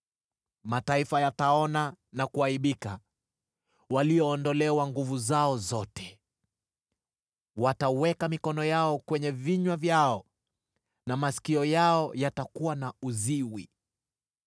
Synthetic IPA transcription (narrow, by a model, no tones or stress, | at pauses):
mataifajataɔnanakuaiɓika | waliɔːndɔlɛwaŋɡuvuzaɔzɔtɛ̥ | watawɛkamikɔnɔjaɔkwɛɲɛviɲwavjaɔ | namasi̥kiɔjaɔjatakuwanauziwḭ